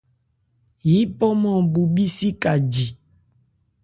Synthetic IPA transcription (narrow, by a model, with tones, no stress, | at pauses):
ji˨˦pɔ˦mɔ̃˨bu˨bi˦si˦ka˨d͡ʒi˨